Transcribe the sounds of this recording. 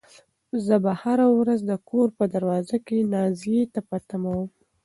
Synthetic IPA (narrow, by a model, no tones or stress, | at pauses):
zəbahaɾawɾazd̪əkʰoɾpəd̪aɾwɑzakenɑzijet̪apat̪amawəm